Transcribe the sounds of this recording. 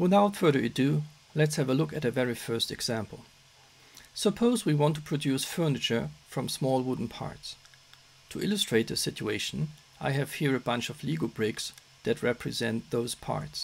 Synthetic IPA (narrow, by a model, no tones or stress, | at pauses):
wɪθaʊtfɜ˞ðə˞ɨt̚d̥ɨ | lɛtshɨvəlʊkɨtɨvɛɹifɜ˞stɨɡz̥æ̃mpl̩ˠ | səpʰoʊzwiwɑ̃ntʰu̥pʰɹ̥ɨdjʉsfɜ˞nɨt͡ʃə˞fɹʌ̃msmɔlˠwʊdⁿn̩pʰɑ̰ɹts | tʰuʔɪləstɹ̥eɪt̪̚ðɨsɪt͡ʃueɪʃn̩ | ʔaɪɨv̥hiɹɨbʌ̃nt͡ʃʌvliɡl̩ˠbɹɪks | ðɨt̚ɹɛpʰɹɨzɛ̃nt̪̚ðoʊz̥pʰɑ̰ɹts